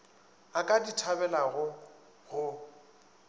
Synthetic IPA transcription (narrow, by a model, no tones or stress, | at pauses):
akʼaditʰabɛlaɣʊ | ɣʊ